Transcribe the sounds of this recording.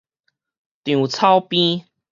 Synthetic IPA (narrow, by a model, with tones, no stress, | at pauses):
t̪jũ˨˩t͡sʰa˦wpĩ˦